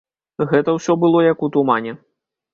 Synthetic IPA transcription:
ɣɛt̪ɐwsʲɔbɨlˠɔjɐkut̪umanʲɛ

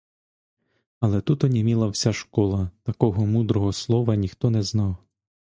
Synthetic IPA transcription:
ɐlˠɛt̪ut̪ɔnʲimʲilˠɐwsʲaʃkɔlˠɐt̪ɐkɔɦɔmud̪ɾɔɦɔslˠɔʋɐnʲixt̪ɔnɛznɑw

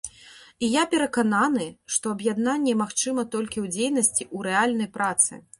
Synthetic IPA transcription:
ijapʲɛɾɐkananɨʂt̪ɔɐbjad̪nanʲːɛmaxt͡ʂɨmɐt̪ɔlʲkʲiwd͡zʲejn̪ɐsʲt͡sʲiʔuɾɛalʲnɐjpɾat̪sɨ̰

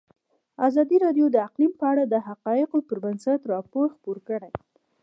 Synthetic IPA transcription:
azɑd̪iɾɑɖjod̪əaqlimpəaɽad̪əɦaqɑjɪqopəɾbansat̪ɾɑpoɾxpoɾkəɽaj

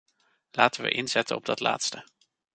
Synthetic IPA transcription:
laːtəʋə̰ʔɪnzɛtənɔb̚dɑtla̰ːtstə

